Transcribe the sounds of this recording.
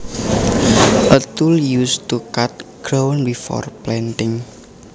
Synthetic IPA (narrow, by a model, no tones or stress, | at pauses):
ʔət̪uljust̪ukat̪̚ɡ̥ɾownbifɔ̰rplɛnt̪ɪŋ